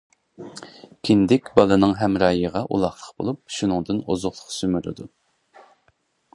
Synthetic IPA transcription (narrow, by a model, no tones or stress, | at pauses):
kʲʰind̪ɪkʲbɑlˠɨnɨŋɦɛmɾɑːjəʁɑʔṵlˠɑχlˠəqb̥o̰lˠup̚ʃunɨŋd̪ɨnozʊχlˠʊqsymyɾɨ̰d̪u